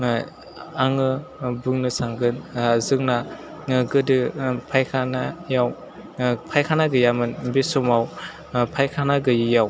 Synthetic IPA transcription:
aŋɯbɯŋnɯsaŋɡɯnzɯŋ̚na | ɡɯdɯpʰajkʰanajaw | pʰajkʰanaɡɯjamɯnbisɔmaw | pʰajkʰanaɡɯjɯjaw

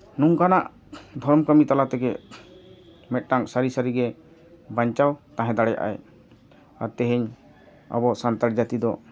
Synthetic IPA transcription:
nuŋkanaʔ | d̪ʱɔɾmkəmit̪alat̪ɛɡɛ | mɛt̪̚ʈaŋsaɾisaɾiɡɛ | baɲt͡ʃawt̪ãɦɛ̃d̪aɽɛja̰ʔa̰j | aɾt̪ɛɦɛɲ | a̰bɔʔsant̪aɾd͡ʒat̪id̪ɔ

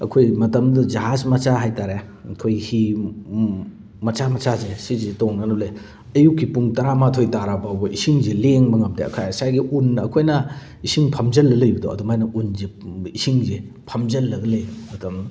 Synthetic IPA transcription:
ɐ̰kʰojmɐtɐmdɐd͡ʒɐɦasmɐt͡ʃaɦajtaɾe | ɐkʰojhi | mɐt͡ʃamɐt͡ʃazesizitoŋnɐnule | ɐjukːipuŋtɐɾamatʰojtaɾapawbɐʔisiŋzeleŋmɐŋɐmdeɐ̰kʰajsajɡiunːɐkʰojnɐ | isiŋpʰɐmzɐlːɐlɐjbɐdo̰ʔɐ̰dumajnɐunzeisiŋze | pʰɐmzɐlːɐɡɐlɐjmɐtʰɐm

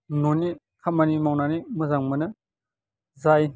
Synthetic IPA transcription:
noni | kʰamanimawnanimɯzaŋmɐnɯ | zaj

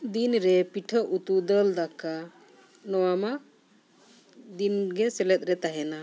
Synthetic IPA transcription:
d̪inɾɛpiʈʰəʔut̪ud̪əld̪aka | nɔwama | d̪inɡɛsɛlɛt̪̚ɾɛt̪aɦɛna

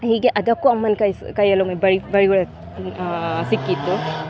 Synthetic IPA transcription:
hiːɡeʔɐd̪ɐkːuɐmːɐnkɐjkɐjːɐlomɐbɐɾibɐɻiɡuɭe | sikːit̪ːu

